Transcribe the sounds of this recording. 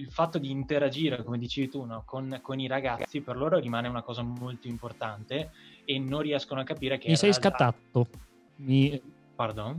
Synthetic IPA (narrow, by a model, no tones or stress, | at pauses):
ilfat̪ːod̪iːnt̪eɾad͡ʒiːɾekomed̪it͡ʃeːvit̪unɔkʰonkoniɾaɡat̪sːiperloːɾoɾimaːneunakɔːzamolt̪oimport̪ant̪eːnːõnriɛskonoakːapiːɾek̟emisɛjsslkat̪ːat̪ːo | mi | pard̪on